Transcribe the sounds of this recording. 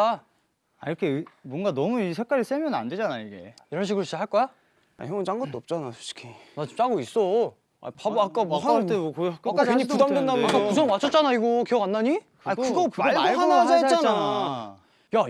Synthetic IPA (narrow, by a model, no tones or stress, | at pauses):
aiɾʌkʰe̞ɯbwʌnɡanʌmuisʰe̞k̚k͈aɾis͈emjʌnna̰nde̞d͡ʑanajiɡe̞̰iɾʌnɕ̬ʰiɡɯɾʌɕ͈iɦaɭk͈ʌa | a̰çjʌŋot͡ɕaŋɡʌt͈oʌp̚t͡ɕ͈anasʰu̥ɕʰi̥kʰinat͡ɕimt͡ɕ͈aɡois͈o | a̰pabak͈abak͈at͈eʌkoakɯkaɲipudamdɯndausʰʌnwat͡ɕʰʌt͡ɕ͈anaiɡokiʌŋanːaɲi | kakɯɡopaɡɭʰanaaet͡ɕanaa | ja